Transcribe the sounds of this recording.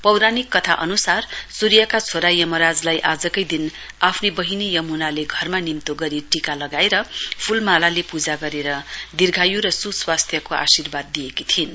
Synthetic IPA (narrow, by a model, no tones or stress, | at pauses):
pʌwɾanikːʌt̪ʰaʔʌnusarsuɾijʌkat͡sʰoɾajʌmʌɾad͡zlajʔad͡zʌkʌjd̪in | apʰnibʌɦinijʌmunaleɡʱʌrmanimt̪oɡʌɾiʈikalʌɡaeɾʌpʰulmalalepud͡zaɡʌɾeɾʌd̪irɡʱajuɾʌsuswast̪ʰjʌkoa̰sirbad̪ːijekit̪ʰin